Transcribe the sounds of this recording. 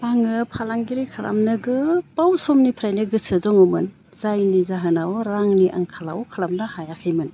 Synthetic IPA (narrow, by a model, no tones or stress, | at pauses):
paŋɯpʰalaŋɡiɾikʰala̰mnɯɡɯpawsɔmnipʰɾajnɯɡɯsɯzɔŋɔmɯn | zajnizaɦɯnawɾaŋniʔa̰ŋkʰalawkʰalamnɯhajakʰajmɯn